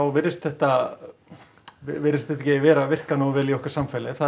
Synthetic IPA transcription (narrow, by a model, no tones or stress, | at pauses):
awvɪɾɪst̪θɛht̪a | ɪvɪɾɪst̪θɛht̪acɪvɛːɾavɪr̥kanowvɛːliɔhkʏɾ̥samfɛjlɪθa